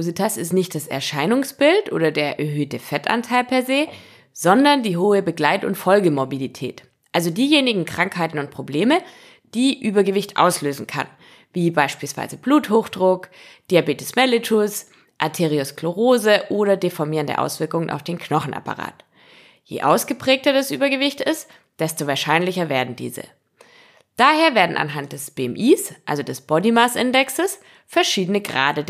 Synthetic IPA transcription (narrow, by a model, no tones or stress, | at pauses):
oːzitʰasɪstnɪçt̚d̥asɛ̰ɐʃaɪnʊŋsb̥ɪltʔo̰ːdɐdeːɐʔɛɐɦøːtəfɛtʔa̰ntʰaɪlpʰɛɐzeː | z̥ɔndɐndiːɦoːəbəɡlaɪtʊ̰ntfɔlɡəmobilitʰɛ̰ːt | ʔalzodiːjeːnɪɡŋ̩kʁ̥aŋkhaɪtn̩ʊnt̚pʁ̥obleːmə | d̥iːʔyːbɐɡəvɪçtʔa̰ʊsløːzn̩kʰa̰n | viːbaɪʃpiːlsv̥a̰ɪzəbluːthoːxd̥ʁʊkd̥iːabeːtəsmɛlɪtʰʊs | ʔaɐtʰeːʁiʊskloʁoːzəʔoːɾɐdefɔɐmiːʁəndə̰ʔa̰ʊsv̥ɪɐkʊŋənʔa̰ʊfd̥eːnkʰnɔχn̩ʔa̰pa̰ʁa̰ːt | jḛːʔaʊsɡ̥əpʁ̥ɛːk̚tɐdasʔyːbɐɡəvɪçtɪst | d̥ɛstovaːɐʃaɪnlɪçɐveːɐdn̩dḭːzə̰ | d̥aːheːɐveːɐdn̩a̰nɦant̚d̥ɛsb̥eɛmʔiːsʔa̰lzodɛsb̥ɔdimasʔɪndɛksəs | fɛɐʃiːdənəɡʁa̰ːdə